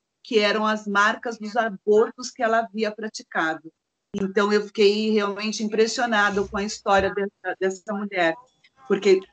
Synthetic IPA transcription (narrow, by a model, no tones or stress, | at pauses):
kɪɛɾɐ̃w̃ɐzmaɾkɐzd̪ʊzaboɾt̪ʊskɪɛlɐaviɐpɾat͡ʃi̥kad̪ʊ | ẽnt̪ɐ̃w̃ewfi̥kejheawmẽnt͡ʃɪĩpɾesionad̪ʊkõɐist̪ɔɾiɐd̪ɛsɐd̪ɛsɐmuʎɛɾ | poɾke